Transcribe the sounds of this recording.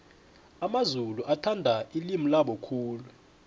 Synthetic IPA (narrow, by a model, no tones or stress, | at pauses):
amazuluʔatʰandʱailimulaɓɔkʰuːlu